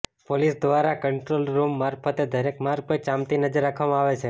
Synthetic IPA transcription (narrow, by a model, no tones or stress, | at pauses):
polisd̪ʋaɾakəɳʈɾolɾumːaɾfʰət̪ed̪ʱəɾekmaɾket͡ʃamt̪inəd͡ʒəɾːakʰʋamãaʋet͡ʃʰe